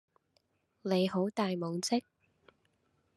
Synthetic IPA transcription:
ne˨˧jɦo˨˥wt̪aː˨jmo˨˧wt͡sɪ˥k̚

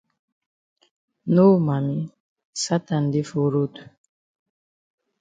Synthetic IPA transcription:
no˦ma˨mi˦ | sa˦t̪a˨n˨di˦fo˨ɾo˦tu̥˨

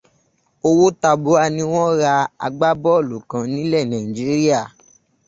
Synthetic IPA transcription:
o˧wo˦ta˧bo˨˦a˧nĩ˦w̃ɔ̃˦ɾa˧a̰˧ɡ͡ba˦bɔ˦o˦˨lu˨kã˨˦nĩ˨˦lɛ˦˨nã˨ĩ˨d͡ʒi˨˦ɾi˦a˦˨

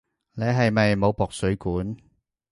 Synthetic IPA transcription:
ne˨˧ɦɐ˨jmɐ˨jmo˨˧wpɔː˨k̚sɵ˨˥ɥkuː˨˥n

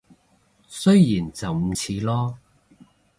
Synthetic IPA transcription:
sɵ˥ɥjiː˨˩nt͡sɐ˨wm̩˨˧t͡sʰiː˨˧lɔː˥

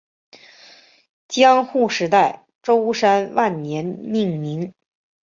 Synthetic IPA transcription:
t͡ɕjɑ˥ŋxu˥˩ʂɻ̩˧˥t̪a˥˩ɪ | ʈ͡ʂo˥ʊʂa˥nwa˥˩nnjɛ˧˥nni˥˩ŋmi˧˥ŋ

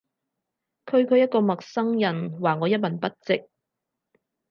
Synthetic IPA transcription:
kʰɵ˧ɥkʰɵ˨˧jɐt̚kɔː˧mɐ˨k̚sɐ˥ŋjɐ˨˩nwaː˨˩ŋɔː˨˧jɐ˥t̚mɐ˨˩npɐ˥t̚t͡sɪ˨k̚

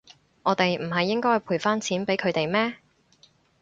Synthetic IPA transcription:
ŋɔː˨˧t̪e˨jm̩˨˩ɦɐ˨jːɪ˥ŋkɔː˥ɐ˨˩pʰuː˨˩jfaː˥nt͡sʰiː˨˥npe˨˥jkʰɵ˨˧ɥt̪e˨jmɛː˥

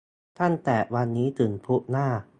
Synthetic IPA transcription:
t̪ʰa˥˩nt̪ɛː˨˩wa˧nːiː˦˥t̪ɯː˨˩npʰu˦˥ʔ̚naː˥˩

